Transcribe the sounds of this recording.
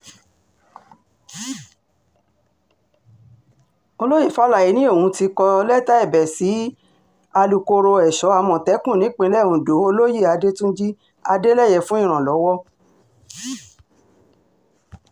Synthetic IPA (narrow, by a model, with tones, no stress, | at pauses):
o˧lo˦ji˦˨fa˦la˦˨ji˨˦nĩ˦o˦˨ũ˧˦ti˧kɔ˧lɛ˦ta˦ɛ˦˨bɛ˨si˨˦ | a˧lu˨ko˧ɾo˧ɛ˨ʃɔ˨˦a˧mɔ̃˨tɛ˨˦kũ˦˨nĩ˨˦k͡pĩ˧lɛ˦˨ũ˨do˨˦o˧lo˦ji˦˨a˧de˦tũ˦d͡ʒi˦ | a˧de˦lɛ˦˨jɛ˧˨fũ˦ĩ˦˨ɾ̃ã˨lɔ˨˦wɔ˦